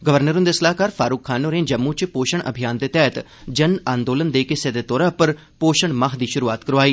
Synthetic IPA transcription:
ɡəʋəɾnəɾʊ̃nd̪eːsəlaːkaːɾfʰaːɾuːkʰːaːnoːɾẽːd͡ʒəmːut͡ʃpoːʃəɳə̰bʱijaːnd̪eːt̪ɛːt̪ | d͡ʒənãːnd̪oːlənd̪eːkɪsed̪eːt̪ɔːɾaːpəɾ | poːʃəɳmaːɦd̪iːʃʊɾuːaːt̪kəɾʋaːiː

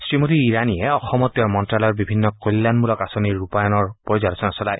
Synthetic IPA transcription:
sɹimot̪iːɾaniɛɔxɔmɔt̪jɔɹmɔntɹalɔjɔɹbibʱinːɔkolːanmulɔkasoniɹːupajɔnɔɹpɔɹizaɾsɔnɔsɔlaj

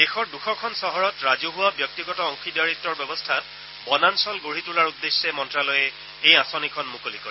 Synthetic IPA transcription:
dexɔɹduxʰɔkʰɔnsɔɦɔɹɔtɹazuɦʊwabjɔk̚tiɡɔtɔɔŋxidaɹitːɔɹbɛbɔstʰat | bɔnansɔlɡoɹitulaɹudːesːɛmɔntɹalɔjɛ | ejasɔnikʰɔnmukolikɔ̰ɹɛ

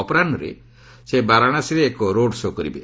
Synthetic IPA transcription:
ɔpɔɾanɔɾḛ | sebaɾaɽ̃asiɾeːkɔɾoɖsokɔɾḭbḛ

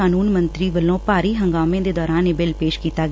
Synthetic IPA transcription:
aːnuːnmənt̪ɾiːʋəlːõːpaːɾiːɦəŋɡaːmẽːd̪eːd̪ɔːɾãːneːbɪlpeːʃkiːt̪aːɡ

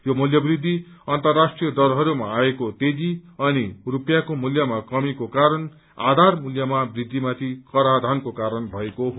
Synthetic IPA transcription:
jomuljʌbrid̪ʱːi | ʌnt̪ʌrːasʈrijʌd̪ʌlɦʌɾumaːekot̪ed͡ziʌnirupjakomuljʌmakʌmikokaɾʌn | a̰d̪ʱarmuljʌmabrid̪ʱːimat̪ʰikʌɾad̪ʱankokaɾʌnbʱʌekoɦ

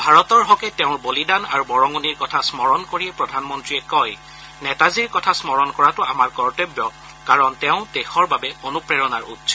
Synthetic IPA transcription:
bʱaɹɔtɔɹɦɔkɛtɛʊ̃ɹbolidana̰ɹubɔɹɔŋuniɹkɔtʰasmɔɹɔnkoɹiɛpɹɔdʱanmɔntɹiɛkɔj | nɛtaziɹkɔtʰasmɔɹɔnkɔɹatʊamaɹkɔɹtebjɔ | kaɹɔntɛʊ̃texɔɹbabɛonupɹɛɹɔnaɹṵtsʰɔ̥

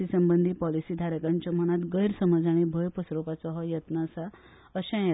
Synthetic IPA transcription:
isəmbənd̪ʱiːpɔlisiːd̪ʱaɾəkãɲt͡ɕɔm̤əɽ̃at̪ɡəjɾsəməd͡zaɽ̃ibʱəjpəsɾopat͡sɔɦɔjət̪nəsa | əɕãje

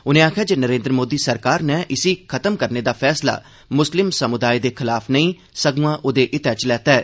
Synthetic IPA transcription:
ʊnẽːaːkʰjaːd͡ʒenəɾẽːnd̪ɾəmoːd̪iːsəɾkaːɾnɛːʔɪsiːkʰət̪əmkəɾneːd̪aːpʰɛːsla̰ː | mʊslɪmsəmʊd̪aːid̪eːkʰɪlaːfnəĩː | səɡuãːʔʊd̪eːʔɪt̪ɛːt͡ʃlɛːt̪aːɛː

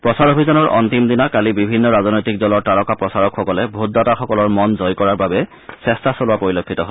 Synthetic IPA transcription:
pɹɔsaɹobʱizɔnɔɹʔɔ̰nt̪imd̪inakalibibʱinːɔɹazɔnɔjtik̚zɔlɔɹtalɔkapɹɔsaɹɔkʰːɔkɔlɛbʱut̚dataxɔkɔlɔɹmɔnzɔjkɔɹaɹbabɛ | sɛstasolʊwapɹoɹilokʰːitɔɦol

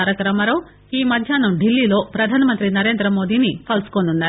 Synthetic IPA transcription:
ɾɐkɐɾɐmɐɾɐw | iːmɐd̪ʱjaːnɐmɖilːiːlo̞ːpɾɐd̪ʱaːnɐmɐnt̪ɾinɐɾe̞ːnd̪ɾɐmo̞ːd̪iːnipɐlskonunːaːɾ

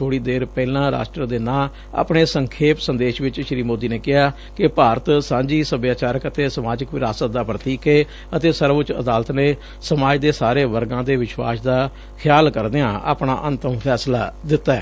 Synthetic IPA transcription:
tʰoːɽiːd̪eːɾpɛːlãːɾa̰ːsʈɾəd̪eːnãː | a̰ːpɳeːsəŋkʰeːpsənd̪eːʃʋɪt͡ʃʃɾiːmoːd̪iːneːkɪɦaː | kɪpaːɾət̪sãːd͡ʒiːsəbjaːt͡ʃaːɾəkət̪eːsəmaːd͡ʒəkʋɪɾaːsət̪̚d̪aːpɾət̪iːkeː | ət̪eːsəɾʋʊt͡ʃə̰d̪aːlət̪neː | səmaːd͡ʒd̪eːsaːɾeːʋəɾɡãːd̪eːʋɪʃwa̰ːsd̪aː | kʰɪjaːlkəɾd̪ejãːʔa̰ːpɳaːʔənt̪əmpʰɛːslaːd̪ɪt̪ːaɛ̰ː

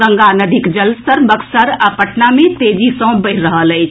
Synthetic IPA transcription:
ə̃ŋɡanəd̪ʱɪkd͡ʒəlst̪əɾbəksəɾapəʈnamẽt̪eːd͡ʒisɔ̃ːbəɪɾɾəɦələt͡ʃʰ

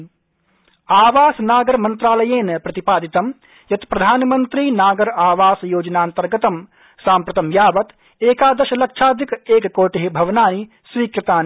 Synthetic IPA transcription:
aːʋaːsnaːɡɐɾmɐnt̪ɾaːlɐjeːnɐpɾɐt̪ipaːd̪it̪ɐm | jɐt̪pɾɐd̪ʱaːnmɐnt̪ɾinaːɡɐɾaːʋaːsjoːd͡ʒɐnaːnt̪ɐɾɡɐt̪ɐm | saːmpɾɐt̪ɐmjaːʋɐt̪ | eːkaːd̪ɐʃɐlɐkʃʰaːd̪ʱikeːkkoːʈeɦebʱɐʋnaːni | sʋiːkɾɪt̪aːni

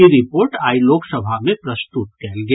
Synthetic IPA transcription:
iɾɪpoːɾʈaːiloːksəbʱamẽpɾəst̪ut̪̚kɛːlɡe

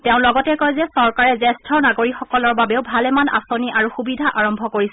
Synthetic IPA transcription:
tɛʊ̃lɔɡɔtɛkɔjzɛsɔɹkaɹɛzɛstʰɔnaɡoɹikxɔkɔlɔɹbabeʊbʱalɛmana̰soniʔaɹuxubidʱaʔaɹɔmbʱɔkoɹisɛ

